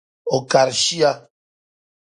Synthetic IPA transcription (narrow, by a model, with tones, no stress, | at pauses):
o˨ka˨ɾʃi˦a˦